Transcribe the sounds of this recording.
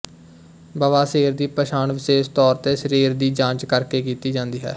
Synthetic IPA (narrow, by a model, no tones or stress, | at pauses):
baːʋaːseːɾd̪iːpɾəʃaːnʋɪʃeːʃt̪ɔːɾt̪eːʃəɾiːɾd̪iːd͡ʒãːt͡ʃkəɾkeːkiːt̪iːd͡ʒãːnd̪iːɦɛ̰ː